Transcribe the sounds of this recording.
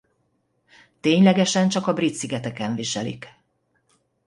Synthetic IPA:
t̪eːɲlɛɡɛʃɛnt͡ʃɒkɒbrit̪siɡɛt̪ɛkɛɱviʃɛlḭk

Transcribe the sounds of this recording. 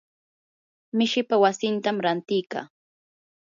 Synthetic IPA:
mɪʃɪpawasɪnt̪amɾant̪ɪjka̰ː

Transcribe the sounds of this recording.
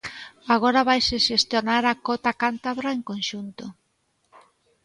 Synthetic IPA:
aɣ̞ɔɾaβajseʃest̪jonaɾakɔt̪akant̪aβɾaeŋkonʃunt̪o

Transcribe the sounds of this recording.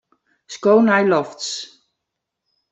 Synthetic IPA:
skownajlɔfts

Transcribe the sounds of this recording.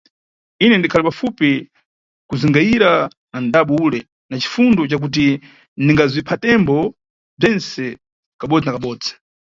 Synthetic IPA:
inɛndikʰalipafupi | kuziŋɡaiɾa | andaɓɔuːlɛ | nat͡ʃi̥fundɔt͡ʃak̬ut̬i | niŋɡazipʰatɛmbɔ | b͡ʐɛnsɛ | kaɓɔd͡zinakaɓɔːd͡zi̥

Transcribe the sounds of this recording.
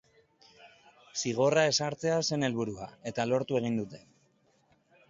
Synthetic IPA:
siɣ̞o̞rae̞saɾt͡se̞ase̞ne̞lβuɾuae̞t̪alo̞ɾt̪ue̞ɣ̞ind̪ut̪e̞

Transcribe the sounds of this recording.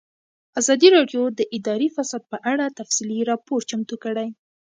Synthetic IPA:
azɑd̪iɾɑɖjod̪əʔɪd̪ɑɾifasɑd̪̚pəʔaɽat̪afsiliɾɑpoɾt͡ʃamt̪ukəɽaj

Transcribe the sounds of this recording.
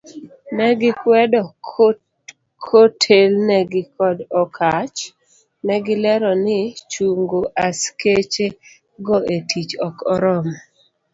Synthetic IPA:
nɛɡɪkwɛdɔ | kʰotʰelnɛɡɪkɔdɔkʰat͡ʃ | nɛɡɪlɛɾɔnɪt͡ʃuŋɡoʔasket͡ʃe | ɡɔʔetit͡ʃɔkɔɾɔm

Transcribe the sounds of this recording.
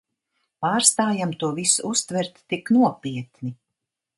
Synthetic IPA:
paːɾst̪aːjamt̪uɔvisuust̪vɛɾt̪ːiknuɔpiɛt̪ni

